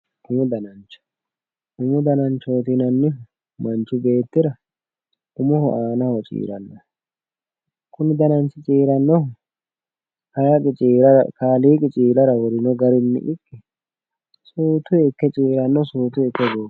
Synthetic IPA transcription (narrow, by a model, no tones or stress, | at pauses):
ʊmʊd̪ɐnɐnt͡ʃːɐ̥ | ʊmʊd̪ɐnɐnt͡ʃːoːt̪inɐnːɪ | mɐnt͡ʃːʊbe̞ːt̪ːɪɾɐ | ʔʊmʊhɔʔaːnɐhɔt͡ʃʼḭːɾɐnːɔ̰ | kʊnɪd̪ɐnɐnt͡ʃːɪt͡ʃʼiːɾɐnːɔ | hɐjɐkʼɪt͡ʃʼiːɾɐɾɐ̰kaːliːkʼɪt͡ʃʼiːlɐɾɐwɔɾɪnɔɡɐɾɪnːɪ̰ʔɪkːɪ | suːt̪ʊjɛkːɛt͡ʃʼiːɾɐnːɔsuːt̪ʊjɛkːɛɡo